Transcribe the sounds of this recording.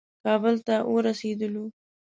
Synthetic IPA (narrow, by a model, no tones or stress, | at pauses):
kɑbəlt̪awoɾased̪əlo